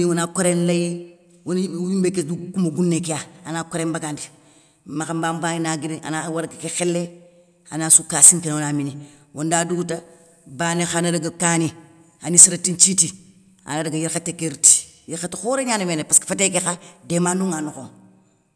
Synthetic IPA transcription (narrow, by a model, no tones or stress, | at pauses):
iwanakoɾenlaji | wonwimbekedukumaɡunːekijaanaːkoɾembaɡandi | maxambambaninaɡidiʔa̰nawaɾɡkexɪlːe | anasukasiŋkinawonaminiwʔondaduɡta | baːnexanadaɡakaːni | anisiɾatint͡ʃiti | a̰nadaɡajiɾkatekeɾti̥jiɾxatixoɾeɲaːnemenepaskfatek̬exademanduŋanoko